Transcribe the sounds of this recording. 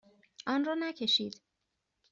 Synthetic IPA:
ʔɒːnrɒːnæcʰe̞ʃiːd̪̥

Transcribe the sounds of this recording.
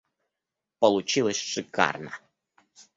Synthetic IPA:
pəlˠʊt͡ɕilˠəsʲʂɨka̰rnə̰

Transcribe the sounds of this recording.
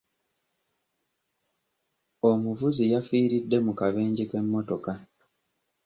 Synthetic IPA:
o̞muvuzijafiːɾidːe̞mukaβe̞ːɲɟike̞mːo̞to̞ka

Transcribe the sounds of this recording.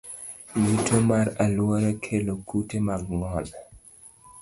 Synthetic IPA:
jutʰomaɾalwɔɾekʰelokutemaɡŋɔl

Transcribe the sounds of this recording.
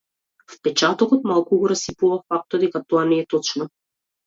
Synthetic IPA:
fpɛt͡ʃat̪ɔkɔt̪malˠkuɡɔɾasipuvafak̚t̪ɔd̪ɛkat̪ɔanɛːt̪ɔt͡ʃnɔ

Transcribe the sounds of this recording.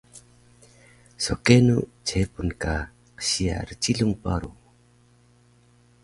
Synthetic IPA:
sɔkenut͡ʃʰepunka | qə̥ɕia̰ɾət͡ʃiɮuŋpa̰ɾu

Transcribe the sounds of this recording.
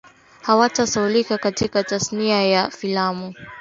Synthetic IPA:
hawatasaulikakatikatasniajafilamu

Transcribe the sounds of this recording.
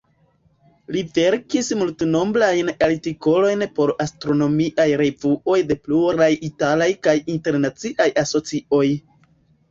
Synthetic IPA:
live̞ɾkismultno̞mblajnaltiko̞lo̞jnpo̞ɾastɾo̞no̞miʔajɾe̞vuo̞jde̞pluɾajitalajkajinte̞ɾnat͡siʔajaso̞t͡sio̞j

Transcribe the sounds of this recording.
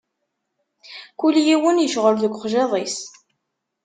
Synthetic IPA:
kuljiwənjəʃʁəɾðəkʷːχʒeðˤis

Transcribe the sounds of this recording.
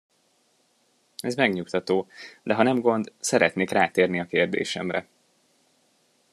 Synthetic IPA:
ɛzmɛɡɲukt̪ɒt̪oːd̪ɛɦɒnɛmɡo̞nd̪sɛɾɛt̪neːkraːt̪eːrniɒkeːrd̪ḛːʃɛ̰mrɛ̰

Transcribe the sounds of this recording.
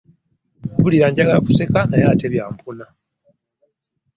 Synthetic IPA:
βuliɾaːɲɟaɡalaku̥se̞kanajateβja̰ːmpuna

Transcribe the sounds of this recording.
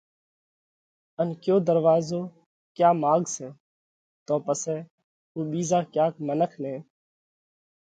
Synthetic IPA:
ənkjoːd̪əɾʋaːzoː | kjaːmaːɡsɛː | t̪õːpəsɛː | uːɓiːzaːkjaːkmənəkʰnɛ̃ː

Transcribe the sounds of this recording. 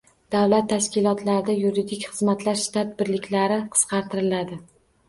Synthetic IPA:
d̪̥awlat̪ʰːaʃkʲɪlˠɒt̪laɾɪd̪ajuɾid̪ɪkʲχɨzmat̪laɾʃt̪ʰat̪̚bɪɾlɪkʲlaɾɪqʰɨ̥sqʰɑɾt̪ʰɪɾɪlad̪ɪ

